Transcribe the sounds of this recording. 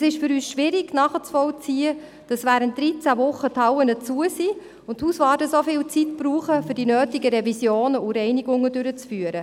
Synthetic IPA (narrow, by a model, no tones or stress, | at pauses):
ɛsɪʃfʏɾyːsʃʋɪɾɪɡ̥nɑːχət͡sfɔlt͡siːə | d̥ɑsʋæːɾənt̚d̥ɾit͡sævʊχːəthɑwənət͡suəsi | ʊnthuːsvɑːdəsofɪːlt͡sitpɾuːχəfʏd̥inøːtɪɡəɾɛvisjoːnəuɾɛɪniɡʊŋːədʏɾət͡sfyːəɾə